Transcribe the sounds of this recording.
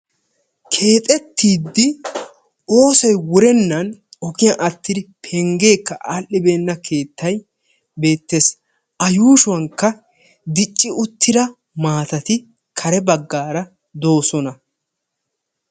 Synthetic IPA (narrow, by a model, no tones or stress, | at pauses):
kʰe̞ːt̪ʼɛt̪ʰːiːd̪ːɪ | ʔo̞ːsɐjwʊɾɛnːɐnɔkɪjɐʔɐt̪ːɪd̪ɪpʰɛŋɡe̞ːkːɐʔaːlʔːɪbe̞ːnːɐkʰe̞ːt̪ːɐj | be̞ːt̪ːe̞ːs | ɐjuːʃʊwɐŋkːɐ | d̪ɪt͡ʃʼːɪʊt̪ʰːɪd̪ɐ | maːt̪ɐt̪ɪ | kʰɐɾɛbɐɡːaːɾɐ | d̪o̞ːsɔnɐ